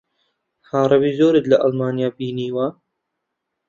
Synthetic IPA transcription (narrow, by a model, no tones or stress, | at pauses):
haːɾˤɑβiːzoːɾət̪laʔɐlmaːnjaːbiːniːwa